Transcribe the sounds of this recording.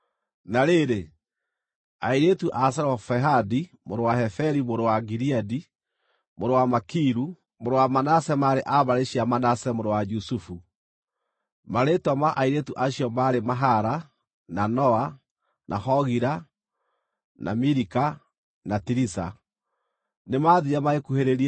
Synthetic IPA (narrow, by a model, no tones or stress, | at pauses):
naɾeɾe | aiɾetuʔas̬aɾwafɛɦadi | moɾowahɛfɛɾimoɾowaɡiɾiadi | moɾowamakiɾu | moɾowamanasɛmaɾeʔaβaɾeɕiamanasɛmoɾowad͡ʒusufu | maɾetwamaʔaiɾetuʔaɕiɔmaɾemaɦaɾa | nanɔa | nʔahɔɣiɾa | nʔa̰miɾika | natiɾisa̰ | nemaːðiɾamaekuheɾeɾi